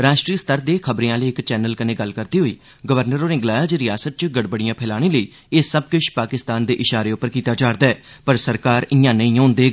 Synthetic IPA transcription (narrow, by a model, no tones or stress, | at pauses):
ɾaːʃʈɾiːəst̪əɾd̪eːkʰəbɾẽãːləːɪkt͡ʃɛːnəlkənẽːɡəlkəɾd̪iːɦoːiː | ɡəʋəɾnəɾoːɾɪ̃ŋɡlaːjaːd͡ʒɾɪjaːsət̪̚t͡ʃɡəɽbəɽɪjãːpʰɛːlaːɽ̃eːləiː | ɪsəb̚kɪt͡ʃʰpaːkɪst̪aːnd̪eːʔɪʃaːɾeːʊpːəɾkiːt̪aːd͡ʒaːɾd̪aːɛː | pəɾsəɾkaːɾɪjãːnə̃ĩːɦõːnd̪eː